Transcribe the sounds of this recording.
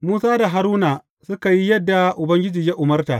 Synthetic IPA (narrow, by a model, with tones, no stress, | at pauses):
muː˦saː˦da˨ɦa˨ɾuː˦na˨ | sʊ˦ka˨ji˦jɐ˦dːa˨ʔʊ˨bɐ˦ŋɡʲɪ˦d͡ʒiː˨ja˦ʔʊ˨mɐ˦rtaː˨